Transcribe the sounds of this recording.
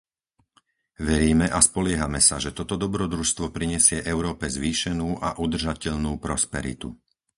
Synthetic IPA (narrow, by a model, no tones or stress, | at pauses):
ʋɛɾiːmɛʔaspɔlɪɛɦamɛsaʒɛt̪ɔt̪ɔd̪ɔbɾɔd̪ɾuʃst̪ʋɔpɾiɲɛsɪɛʔɛʊɾɔːpɛzʋiːʃɛnuːʔa̰ʔud̪r̩ʒacɛʎnuːpɾɔspɛɾḭt̪ṵ